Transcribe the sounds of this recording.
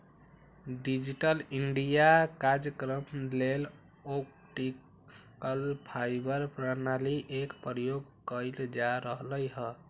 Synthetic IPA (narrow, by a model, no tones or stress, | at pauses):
ɖid͡ʒiʈəliɳɖijakaɾd͡ʒjəkɾəmlel | ok̚ | ʈi | kəlpʰajbəɾpɾənaliʔekpɾəjoɡkəɪld͡ʒaɾəɦləjɦə